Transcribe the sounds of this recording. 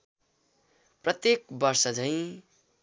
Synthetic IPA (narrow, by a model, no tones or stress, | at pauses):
prʌt̪jekbʌrsʌd͡zʱʌ̃j̃